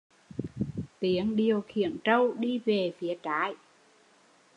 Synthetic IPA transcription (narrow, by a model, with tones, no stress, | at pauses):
t̪i˨˦əŋɗi˨˩əwxḭ˧˨ənt͡ɕə˧wɗi˧ve˨˩fi˨˦ət͡ɕaː˨˦j